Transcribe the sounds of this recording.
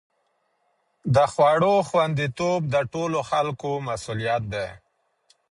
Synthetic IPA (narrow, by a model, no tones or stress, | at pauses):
d̪əxwaɽoxwand̪it̪ob̚d̪əʈoloxalkomasulijat̪̚d̪e